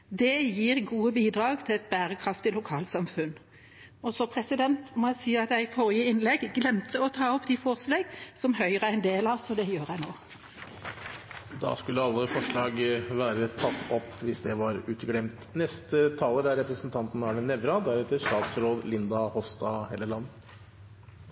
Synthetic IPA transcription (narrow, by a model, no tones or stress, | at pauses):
d̪ɛjiːɾɡuːəbiːd̪ɾɑːɡt̪ʰɪlɛt̪̚bæːɾəkʰɾɑft̪ɪlʊkʰɑːlsɑmfʉn | ɔsɔpʰɾɛsɪd̪ɛnt̪mɔæsiːɑt̪æɪfɔɾɪəɪnlɛɡɡlɛmt̪əɔt̪ʰɑːɔpːd̪ɪfɔʁsleːɡsɔmhœʏʁəɪnd̪eːlɑsɔd̪ɛjøːɾæɪnoː | d̪ɑ̰skʉlːəɑlːəfɔʂɭɑːɡʋæːɾət̪ʰɑt̪ːɔpːʋɪsd̪ɛʋɑɾʉːt̪ɡɽɛmt̪nɛst̪ət̪ʰɑːləɾæɾːɛpɾəsnt̪ʰɑnt̪n̩ɑːɳənɛʋɾɑd̪æɾɛt̪ːəʂt̪ɑːt̪sɾoːd̪lɪnd̪ɑhɔfst̪ɑhɛləɭɑnːə